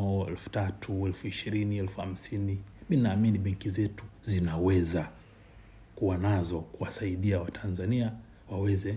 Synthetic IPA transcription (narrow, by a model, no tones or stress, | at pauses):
ɔɛ̰lfu̥tatʰuɛlfuiʃiɾiniɛlfuha̰m̩siniɓinaːminiɓɛŋkizɛtuzinawɛza | kuwanazɔkuwasaiɗiawatʰanzania | wawɛzɛ